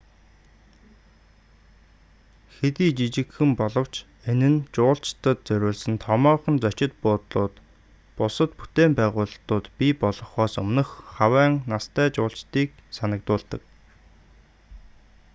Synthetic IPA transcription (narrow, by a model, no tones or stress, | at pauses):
xet̪iːt͡ɕit͡ɕɪ̆kxɘ̆mpɔɮɞ̆w̥t͡ɕ | enɘ̆nt͡ɕʊːɬt͡ɕt̪ə̆t̪̚t͡sœɾʲʊːɮsɘ̆nt̪ʰɔmɔːχə̆nt͡sœt͡ɕɪ̆t̪̚pʊːt̪ɮʊːt̪ | pʊsə̆t̪pu̥t̪eːmpæːʁʊːɮt̪ʊːt̪pipɔɮɞ̆χɔːsɵmnɘ̆xχawæːŋnast̪ʰæːt͡ɕʊːɬt͡ɕt̪iːk̚sanə̆k̚t̪ʊːɮt̪ə̆k̚